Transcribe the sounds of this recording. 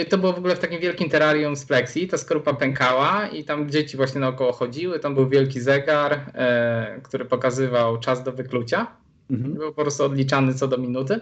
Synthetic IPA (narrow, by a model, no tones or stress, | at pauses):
t̪ɔbɘwɔvɔɡulɛft̪akʲimvʲjɛlkʲimt̪ɛɾaɾjumsplɛksʲit̪askɾupapɛŋkawait̪amd͡ʑet͡ɕivwaɕɲɛnaɔkɔwɔxɔd͡ʑiwɘt̪ambɘwvʲjɛlkʲizɛɡaɾ | kt̪uɾɘpɔkazɘvawt͡ʂazd̪ɔvɘklut͡ɕa | bɘwpɔpɾɔst̪uɔd̪lʲit͡ʂanɘt̪sɔd̪ɔmʲinut̪̬ɘ